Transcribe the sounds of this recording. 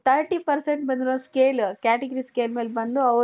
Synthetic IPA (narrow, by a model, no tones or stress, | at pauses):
t̪ʰɐɾʈiːpɐɾseɳʈbɐnd̪iɾoːskeːlkʲaːʈeɡɐɾiskeːlmeːlbɐnd̪uɐʋ